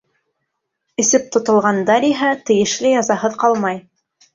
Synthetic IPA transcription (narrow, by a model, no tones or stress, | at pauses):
ɘ̆sɘp̚t̪ŏt̪ŏlˠʁɑnd̪ɑɾiɦæt̪ɘ̆jɘ̆ʃlɘjɑzɑɦɤðqɑlˠmɑj